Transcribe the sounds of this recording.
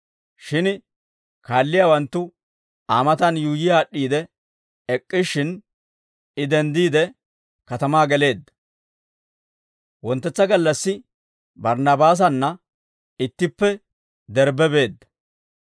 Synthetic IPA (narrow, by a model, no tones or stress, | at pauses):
ʃɪn | kaːlːɪjaːwɐnt̪ːʊ | aːmɐt̪ɐnjuːjɪjaːɗːiːd̪ɛ | ɛkʼːɪʃːɪn | ɪd̪ɛnd̪iːd̪ɛ | kɐt̪ɐmaːɡɛle̞ːd̪ɐ | wɔnt̪ːɛt͡sːɐɡɐlːɐsːɪ | bɐɾnɐbaːs̬ɐnːɐ | ɪt̪ːɪpːɛ | d̪ɛɾbɛbe̞ːd̪ːɐ